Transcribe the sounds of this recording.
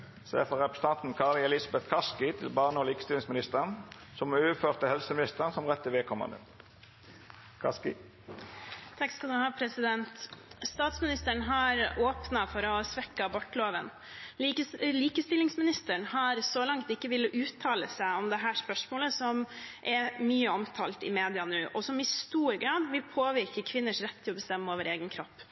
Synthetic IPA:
sḛːfɔʁɛpʰɾəsə̥t̪ʰɑnt̪n̩kʰɑlɪɛlɪsɑbɛt̪kʰɑskɪt̪ʰɪlbɑːʁnəoːliːkəst̪ɪlɪŋsmɪnɪst̪əʁənsɔmøːføːʁt̪əhɛlsəmɪnɪst̪əʁənsɔmʁɛt̪ːɪʋeːkʰɔmɑ̰nd̪ə̰ | kʰɑ̰skɪ̰ | t̪ʰɑkskɑld̪ʉhɑːpʰɾɛsɪd̪ɛnt̪st̪ɑːt̪smɪnɪst̪əɳɦɑɾoːpnɑfɔɾɔsʋɛkːɑbɔʈːloːʋən | liːkəst̪ɪlːɪŋsmɪnɪst̪əɳhɑɾsɔlɑŋt̪ɪkːəʋɪlːʔʉːt̪ʰɑːləsæɪɔmd̪ɛɦæːʂpœʂmoːləsɔmʔɛɾmyːəɔmt̪ʰɑːlt̪ɪmeːd̪ɪɑnʉːʔɔsɔmɪst̪uːɾɡɾɑːd̪ʋɪlpʰoːʋɪɾkəkʰʋɪnːəʂɾɛt̪ʰːɪlɔbəst̪ɛmːəoːʋəɾeːɡənkʰɾɔpː

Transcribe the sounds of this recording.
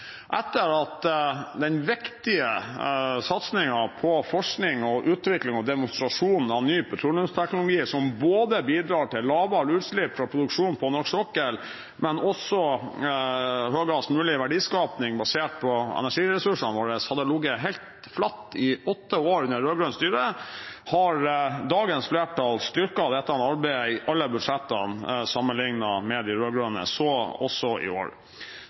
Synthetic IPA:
ʔɛt̪ːəɾɑt̪d̪ɛnʋɪkt̪ɪə | sɑt̪snɪŋɑpʰɔfɔʂknɪŋɔʔʉːt̪ʋɪklɪŋɔd̪ɛmʊnst̪ɾɑʂuːnɑnːyːpʰʊt̪ʰɾuːlʉnst̪ʰɛknʊlʊɡiːsɔmboːd̪əbiːd̪ɾɑːʈɪlːɑːʋɑlʉːt̪ʂɭɪpːfɾɑpʰɾʊd̪ʉkʂuːnpʰɔnɔʂksɔkːəl | mɛnɔsːɔ | høːɡɑsmʉːlɪʋæɖiːskɑːpnɪŋbɑseːʈ̚pʰɔɛ̰næʂiːɾɛsʉʂɑnʋoːɾəshɑd̪əlʊɡəɦɛɪlt̪ | flɑt̪ːɪɔt̪ːəoːɾʉnːəɾøːɡɾʉnst̪yːɾəhɑɾd̪ɑːɡənsfleːʈɑlst̪ʏɾkɑd̪ɛt̪ːəɑnɑɾbæɪəɪʔɑlːəbʉd̪ʂɛt̪ːɑ̰nsɑmːənlɪŋnɑmɛd̪ɪɾøːɡɾœnə̰sɔɔsɔʔɪ̰o̰ːɾ

